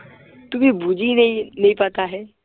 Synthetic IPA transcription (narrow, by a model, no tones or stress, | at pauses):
t̪ubʱibud͡ʒininɐĩpaːt̪aɦɛː